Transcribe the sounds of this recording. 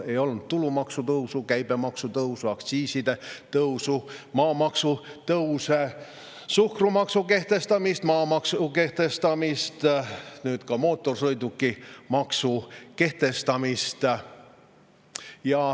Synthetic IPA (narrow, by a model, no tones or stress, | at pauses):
e̞jo̞lnut̪̚t̪ːulumɑksut̪ɤwsukæjb̥e̞mɑksut̪ɤuwsuɑkt̪siːsid̪̥e̞t̪ɤwsumɑːmɑksut̪ɤwse | suhkrumɑksuke̞ht̪e̞st̪ɑmist̪mɑːmɑksuke̞ht̪e̞st̪ɑmist̪nyːt̪kɑmo̞ːt̪ːˑo̞rsɤjd̪ukːˑimɑksuke̞ht̪e̞st̪ɑmist̪ | jɑ